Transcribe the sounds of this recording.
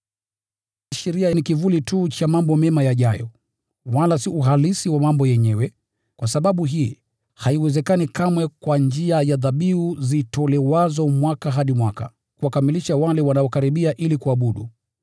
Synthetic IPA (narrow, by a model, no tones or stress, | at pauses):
aʃɛɾiajnikivulitut͡ʃamambɔmɛmajaʄajɔ̰ | walasiuɦalisiwamambɔjɛɲɛwɛ | kwasaɓaɓuɦiː | haiwɛzɛkanikamwɛkwand͡ʒiajaðaɓiuzitɔlɛwazɔmwakaɦaɗimwaka̰ | kuwakamiliʃawalɛwanaɔkaɾiɓiaʔilikuaɓuɗṵ